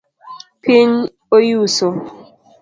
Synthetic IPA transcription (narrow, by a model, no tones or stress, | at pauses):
pʰiɲ | ojuso